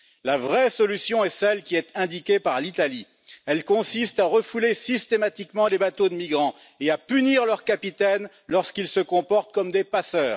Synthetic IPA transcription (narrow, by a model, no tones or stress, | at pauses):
lavʁɛsɔlysjɔ̃ɛsɛlkʲiɛt̪ɛ̃d̪ikʲepaʁlit̪ali | ɛlkɔ̃sist̪aʁəfulesist̪emat̪ikmɑ̃lebat̪od̪əmiɡʁɑ̃ | eapyniʁlœʁkapit̪ɛn | lɔʁskilsəkɔ̃pɔʁt̪̚kɔmd̪epasœːʁ